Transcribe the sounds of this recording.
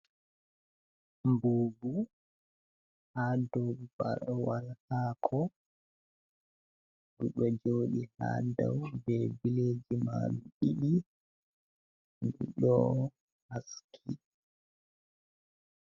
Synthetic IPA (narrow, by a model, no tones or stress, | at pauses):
mboːbu | hadɔwba̰ɾwalhaːkʰɔ | ɗuɗɔd͡ʒoːɗiha̰da̰wbɛbileːd͡ʒima̰ɗuɗiɗi | ndṵɗɔ | haskʰi